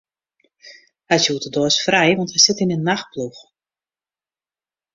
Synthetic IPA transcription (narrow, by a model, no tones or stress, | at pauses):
hajsjuːtədoəsfrɛjʋɔntɦɛjsɪtɪnənːax̚plux